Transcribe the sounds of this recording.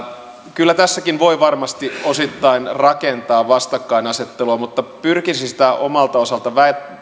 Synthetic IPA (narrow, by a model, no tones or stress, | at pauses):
kylːæt̪æsːækinʋoiʋɑrmɑst̪iosit̪ːɑinrɑkent̪ɑːʋɑst̪ɑkːɑinɑset̪ːeluɑmut̪ːɑpyrkisisi̥t̪æʔomɑlt̪ɑosɑlt̪ɑʋæet̪